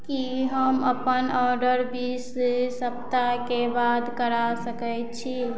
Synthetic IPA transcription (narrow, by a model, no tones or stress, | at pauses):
kiɦəməpənɔɾɖəɾbisesəpt̪akebad̪kəɾasəkɛət͡ʃʰi